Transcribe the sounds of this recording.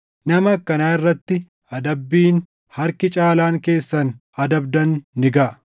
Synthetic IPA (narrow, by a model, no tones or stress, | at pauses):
nɐmɐkːɐnaːɪrːɐt̪ːɪ | ɐd̪ɐbːiːn | hɐɾkɪt͡ʃʼaːlaːŋke̞ːsːɐn | ɐd̪ɐb̚d̪ɐnːɪɡɐʔ